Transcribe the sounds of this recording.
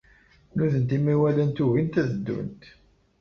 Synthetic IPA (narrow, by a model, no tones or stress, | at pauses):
nuðənt̪imiwælənt̪uɣint̪æðəd̪ːṵnt̪